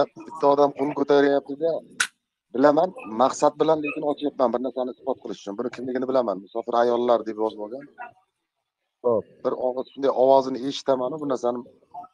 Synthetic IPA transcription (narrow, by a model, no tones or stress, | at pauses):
ab̥ɪt̪ʰːaɒd̪amqʰonkʰɵt̪ʰajɾajap̚t̪ʰɪd̪a | bɪlamanmaqsat̪̚bɪlanle̞kʲɪnɒt͡ʃʰajapmanbɪɾnaɾsanɪɪsbɒt̪̚qʰɨlˠɪʃʊ̥t͡ʃʰʊnbʊnɪkʲʰɪmlɪɡʲɪnɪbɪlamanmʊsɒfɪɾajɒlːaɾd̪e̞pjɒzboɡʲan | b̥ɪɾɒʃʊnd̪ajʔɒwɒzɪnɪe̞ʃɪ̥t̪ʰamanʊbʊnaɾsanɪ